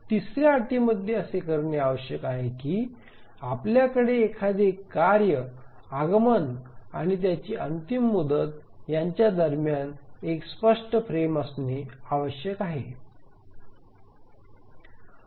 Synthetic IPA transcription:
t̪isɾjaːʈ̪iməd̪ʱjeəsekəɾɳeaʋəɕjəkaɦekiː | apljakəɽeːkʰad̪ekːaɾjə | aɡəmənaɽ̃it̪̬jat͡ɕiːʔənt̪imːud̪ət̪ | jaɲt͡ɕjad̪əɾmjanekspəʂʈəpɾeməsneaʋəɕjəkaɦe

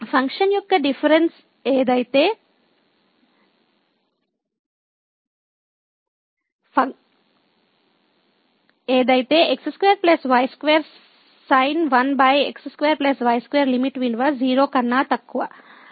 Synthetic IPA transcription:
pʰɐŋkʂɐnjɔkːɐɖifʰɐɾens | eːd̪ɐjit̪eː | pɐ | eːd̪ɐjit̪eːʔeksskʋeːɾplɐsʋɐjskʋeːɾ | sɐjnʋɐnbɐjḛksskʋeːɾplesʋɐjskʋeːɾlimiʈʋiɳɖʋaziːɾoːkɐnːaːt̪ɐkːuʋɐ

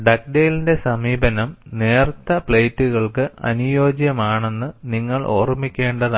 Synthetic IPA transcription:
ɖɐk̚ɖeːlinde̞sɐmiːbɐnɐmneːrt̪ːɐpɭejtːuɣɐɭkɨɐ̰nujo̞ːd͡ʑjɐmaːɳe̞nːɨniŋːɐɭʔo̞̰ːrmːikʲːe̞ːɳɖɐða

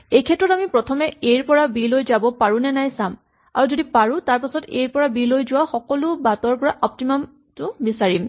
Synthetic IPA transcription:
ejkʰɛtɹɔtamipɹɔtʰɔmɛejɹpɔɹabilojzabɔpaɹũnɛnajsam | a̰ɹuzodipaɹʊ̃taɹpasɔtejɹpɔɹabilojzʊwaxɔkɔlʊbatɔɹpɔɹaʔɔp̚timam | tʊbisaɹim

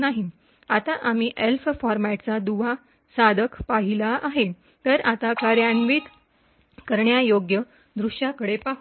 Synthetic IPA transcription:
naɦi | at̪aʔamiʔelffɔɾmɛʈt͡sad̪uʋa | sad̪ʱəkʰpaɦilaʔaɦe | t̪əɾat̪akaɾjanʋiːt̪ | kəɾɳjajoɡjə | d̪ɾuʂjakəɽepaɦ

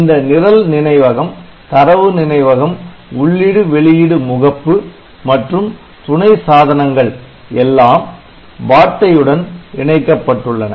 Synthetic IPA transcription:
ɪnd̪ɐnɪɾɐlnɪnɐɪʋɐɣɐm | t̪ɐɾɐʋɯnɪnɐɪʋɐɣɐm | ʊɭːɪɽɯʋɛɭɪjɪɽɯmʊɣɐpːɯ | mɐʈrɯm | t̪ʊɳɐɪsaːðɐnɐŋɡɐɭ | ɛlːaːm | baːʈ̪ːɐjɯɽɐnɪɳɐɪkːɐpːɐʈːɯɭːɐnɐ̰

